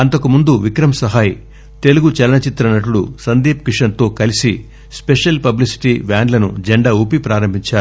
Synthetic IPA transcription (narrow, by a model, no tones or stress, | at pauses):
ɐnt̪ɐkumund̪uʋikɾɐmɐsɐɦaːj | t̪e̞luɡut͡ʃɛlɐnɐt͡ʃit̪ɾɐnɐʈ̬uɽusɐnd̪iːp̚kiʂɐnt̪o̞ːkɐlisi | speʂɐlpɐblisi̥ʈiːʋaːɳɖlɐnṵd͡ʒeɳɖɐupipɾaːɾɐmbʱiɲt͡ʃaːɾu